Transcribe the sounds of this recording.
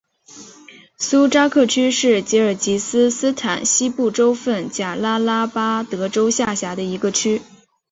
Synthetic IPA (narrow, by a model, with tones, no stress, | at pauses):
su˥ʈ͡ʂa˥kʰɤ˥˩t͡ɕʰy˥ʂɻ̩˥˩t͡ɕɛ˧˥ə˞˨˩t͡ɕi˧˥sɹ̩˥sɹ̩˥t̪ʰa˨˩˦nɕi˥pu˥˩ʈ͡ʂo˥ʊfə˥˩nt͡ɕja˨˩la˥la˥pa˥t̪ɤ˧˥ʈ͡ʂo˥ʊɕja˥˩ɕja˧˥d̪ə˧i˧˥ɡə˧t͡ɕʰy˥